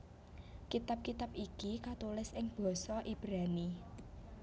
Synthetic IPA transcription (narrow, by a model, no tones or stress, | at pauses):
kit̪ap̚kit̪apikikat̪ulɪsɪŋb̥ɔ̤sɔʔib̥ɾani